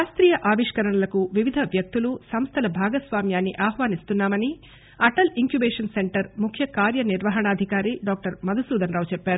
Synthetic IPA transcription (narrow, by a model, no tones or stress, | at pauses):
aːst̪ɾiːjɐʔaːʋiʂkɐɾɐɳɐlɐkuʋiʋid̪ʱɐʋjɐk̚t̪ulusɐmst̪ʰɐlɐbʱaːɡɐsʋaːmjaːnːiʔaːhʋaːnist̪unːaːmɐni | ɐʈɐliŋkjubɛːʂɐnse̞ɳʈɐɾmukʰjɐkaːɾjɐniɾʋɐɦɐɳɐaːd̪ʱikaːɾiɖaːk̚ʈɐɾmɐd̪ʱusuːd̪ʱɐnɾaːwt͡ʃɛpːaːɾu